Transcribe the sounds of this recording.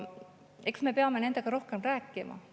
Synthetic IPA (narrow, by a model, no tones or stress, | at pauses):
e̞ksme̞pe̞ɑme̞ne̞nd̪e̞ɡ̥ɑɾo̞hke̞mræːkːˑimɑ̰